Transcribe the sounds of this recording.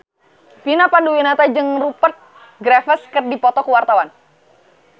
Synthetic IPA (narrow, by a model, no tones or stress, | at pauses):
pinapanduwinat̪ad͡ʒɨŋrupərt̪̚ | ɡɾafəskərdipɔt̪ɔkəwart̪awan